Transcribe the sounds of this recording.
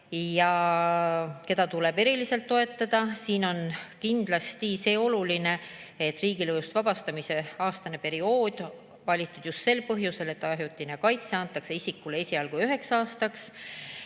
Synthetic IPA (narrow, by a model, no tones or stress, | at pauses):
jɑ | ke̞d̪ɑt̪ule̞b̥e̞ɾilise̞lt̪ːo̞e̞t̪ːˑɑd̪̥ɑsiːno̞nkind̪̥lɑst̪ise̞ːo̞luline̞et̪ːˑriːɡilejust̪vɑb̥ɑst̪ɑmise̞ɑːst̪ɑne̞pe̞ɾio̞ːd̪̥ | vɑlʲit̪ːˑud̪̥just̪se̞lpɤɦjuse̞le̞t̪ːˑɑɦjut̪ːˑinekɑjt̪seɑnt̪ːˑɑkse̞isikːˑule̞sʲiɑlɡuyɦe̞ksɑːst̪ɑks